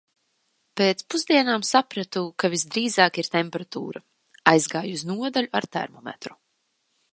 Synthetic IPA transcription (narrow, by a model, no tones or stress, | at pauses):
peːt̪spuzd̪iɛnaːmsapɾat̪ukavisd̪ɾiːzaːkiɾt̪ɛmpɛɾat̪ṵːɾa | ajzɡaːjuznuɔd̪aluaɾt̪ɛ̰ɾmɔmɛ̰t̪ɾu̥